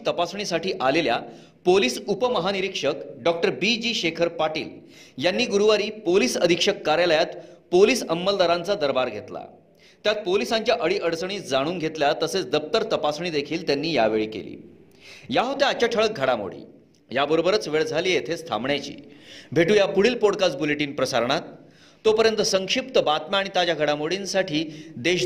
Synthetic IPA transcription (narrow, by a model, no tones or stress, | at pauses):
t̪əpasɳ̃isaʈiːʔalelja̰ | poliːsupəməɦaniɾikʂəkɖɔk̚ʈəɾbid͡ʑiːɕekʰəɾpaʈḭːl | janːiːɡuɾuʋaɾiːpoliːsəd̪ʱikʂəkːaɾjaləjat̪poliːsəmːəld̪aɾãnt͡sad̪əɾbaɾɡʱet̪la̰ | t̪jat̪̚polisãɲt͡ɕjaʔəɽiːʔəɽt͡sɳ̃iːd͡zaɽ̃uːnɡʱet̪ljat̪əset͡sd̪əp̚t̪əɾt̪əpasɳ̃iːd̪ekʰiːlt̪janːiːja̰ʋeɭiːkḛlḭː | jaɦot̪eat͡ɕaʈʰəɭək̚ɡʱəɽamo̰ɽ̤ḭː | jabəɾobəɾət͡sʋeɭd͡zʱaliːet̪ʰest̪ʰa̰mɳjat͡ɕḭːbʱeʈuːjapuɽiːlpoɽkat͡sbuleʈiːnpɾəsaɾɳ̃at̪ː | opəɾjənt̪əsəŋkʂip̚t̪əbat̪maaɽ̃it̪ad͡ʑjaɡʱəɽamoɽinsaʈʰiːd̪eɕ